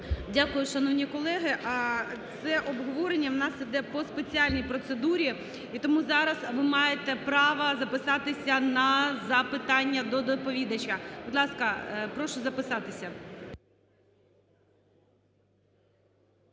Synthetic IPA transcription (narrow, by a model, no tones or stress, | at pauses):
dʲakʊjʊʃɐnɔwnʲikɔlˠɛɦɪʔt̪sɛʔɔbɦɔʋɔɾenʲːɐwnɑsid̪ɛpɔspet͡sʲiɑlʲnʲijpɾɔt̪sed̪uɾʲi | it̪ɔmuzɑɾɐsʋɪmɑjet̪ɛpɾɑʋɐzɐpɪsɑt̪ɪsʲɐnɐzɐpɪt̪ɑnʲːɐd̪ɔd̪ɔpɔʋʲid̪ɐt͡ʃkɐbʊd̪lˠɑskɐpɾɔʃʊzɐpɪsɑt̪ɪsʲɐ